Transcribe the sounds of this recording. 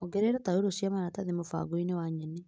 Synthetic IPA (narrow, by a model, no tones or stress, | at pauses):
oɡɛɾeɾɔtaeɾosjamaɾataðemofa̰ɡoinewaɲɛne